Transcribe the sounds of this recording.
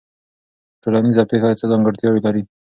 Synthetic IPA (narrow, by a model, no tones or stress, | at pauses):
ʈolanizapexat͡səzɑŋɡəɾt̪jɑwelaɾi